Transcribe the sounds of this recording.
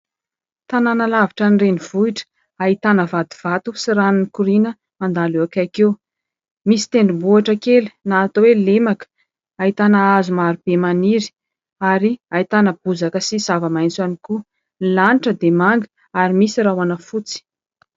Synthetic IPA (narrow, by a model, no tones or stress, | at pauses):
t̪ananalaviʈ͡ʂanireniv̥uiʈ͡ʂə̥ | ait̪anəvad̪iv̥at̪usiɾannikuɾinə | mand̪aluakakew | misi̥t̪eɳɖ͡ʐubuaʈ͡ʂəkeli̥naːt̪owelemakə̥ | aɦit̪anaazumaɾub̥emaniɾi̥ | aɾiait̪anəb̥uzakəsiz̥avəmajnt͡saniku | nilaniʈ͡ʂəd̪emaŋɡə̥ | aɾimisirawanəfut͡si̥